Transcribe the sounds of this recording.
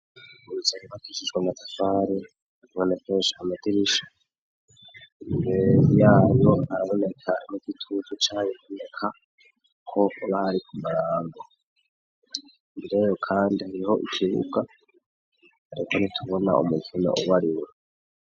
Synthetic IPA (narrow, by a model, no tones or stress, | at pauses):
uzeɾiβatiʃiʒɡwenatafaːɾe | βonekʰeːnʃiamatiɾiʃḁ | ejaːjoaɾaβo̞ne̞kʰaniɡ̥itʰuːzut͡ʃaːɲeβonekʰa | kʰo̞βahaɾikʰumaɾaːŋɡo | miɾejo̞kʰaːndihaɾiho̞ʔikʰiβṵɡa | haɾikonitʰuβo̞na̰ʔṵmukino̰ʔuβaɾiwe